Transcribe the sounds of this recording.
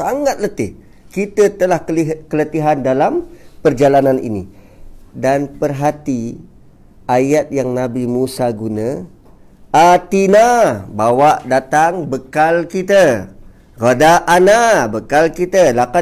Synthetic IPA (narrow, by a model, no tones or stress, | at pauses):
saŋat̪̚lət̪ɪh | kit̪ət̪əlahikələt̪iɦandalampərd͡ʒalananḭnḭ | danpərɦat̪i | ajat̪̚jaŋnabimusaɡunə | at̪inabawaʔdat̪aŋbəkalkit̪ə | rodaʔːnabəkalkit̪əlaka